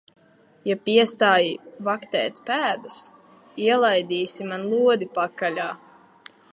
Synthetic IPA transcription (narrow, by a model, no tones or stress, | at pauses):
japiɛst̪aːjivakt̪ɛ̰ːt̪ʲpæːd̪as | iɛlˠajd̪ʲiːsimanlˠuɔd̪ʲipakːalʲaː